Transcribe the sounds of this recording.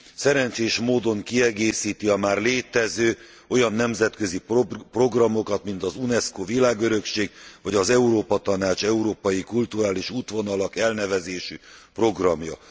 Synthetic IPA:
sɛɾɛnt͡ʃeːʃmoːd̪o̞ŋkiɛɡeːsiːt̪iɒmaːrleːt̪ɛzøː | o̞jɒnːɛmzɛt̪kø̞zippro̞ɡrɒmo̞kɒt̪min̪t̪ɒzunɛskovilaːɡø̞ɾø̞kʃeːɡvɒɟɒzɛuɾoːpɒt̪ɒnaːt͡ʃɛuɾoːpɒjikult̪uɾaːliʃuːt̪ʋo̞nɒlɒkɛlnɛvɛzeːʃypro̞ɡrɒmjɒ̰

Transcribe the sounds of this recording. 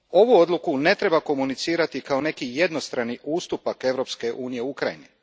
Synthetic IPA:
o̞ʋuo̞d̪lˠukune̞t̪ɾe̞bako̞munit̪siːɾat̪ikao̞ne̞kije̞d̪no̞st̪ɾaniʔuːst̪upake̞ʋɾo̞pske̞ʔuːnije̞ukɾaini

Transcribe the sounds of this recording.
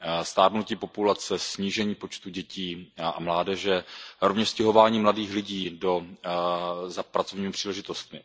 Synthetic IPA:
st̪aːɾnuciːpo̞pulat͡sɛsɲiːʒɛɲiːpo̞t͡ʃt̪uɟɛciːʔa̰mlaːdɛʒɛɾovɲɛʃscɛɦo̞vaːɲiːmladiːxlɪɟiːdo | zapɾat͡so̞vɲiːmɪpr̥iːlɛʒɪt̪o̞st̪mɪ

